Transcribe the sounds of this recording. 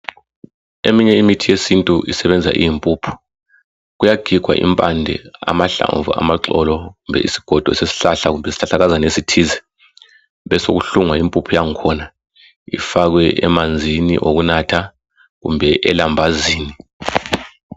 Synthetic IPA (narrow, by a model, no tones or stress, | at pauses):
emiɲɛimitʰijesintʼuʔḭsɛβɛnd͡zʱa̰ʔḭjimpʼuːpʰu̥ | ɣujaɡ̥ʱiɡ̥ʱwa̰ʔḭmpʼandʱɛ̰a̰maɬa̰ɱvṵa̰maǁɔlɔɣumbʱɛ̰ḭsi̥ɡ̥ʱɔd̥ʱɔsesi̥ɬaɬakɣumbʱɛsi̥ɬaɬaɣazanesitʰiːzɛ | βɛsoɣuɬuŋwaimpʼupʰujaŋkʰɔna | ḭfaɣ̬wɛʔɛ̰mand͡zʱinḭʔoɣunatʰa | ɣṵmbʱɛʔɛlambʱaziːni